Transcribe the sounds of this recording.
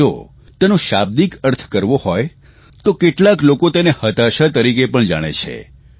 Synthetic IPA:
o̰ | t̪enoʃab̚d̪ikəɾt̪ʰkəɾʋohɔj | t̪okeʈlaklokot̪enehət̪aʃət̪əɾikepəɳd͡ʒa̰ɽ̃ḛt͡ʃʰḛ

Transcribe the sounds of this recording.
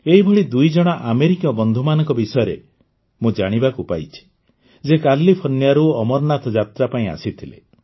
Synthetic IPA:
eɦibʱɔɭid̪ujd͡ʒɔɽ̃aʔameɾikiɔbɔnd̪ʱumanɔ̃ŋkɔbisɔjɔɾe | mũd͡ʒaɽ̃ibakupa̰jt͡ʃʰi̥ | d͡ʒekallːipʰɔnjaɾuɔmɔɾnat̪ʰɔd͡ʒat̪ɾapaĩa̰sit̪ʰilḛ

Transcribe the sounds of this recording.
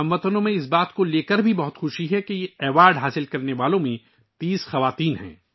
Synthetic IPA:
ɐ̃mʋɐt̪ənõmẽɪs̬baːt̪koleːkəɾbʱibɐɦʊt̪xʊʃiɦɛkejeɛːʋaːɾɖɦaːsɪlkɐɾneʋaːlõmẽ | t̪iːsxɐʋaːt̪iːnɦɛ̰̃ː

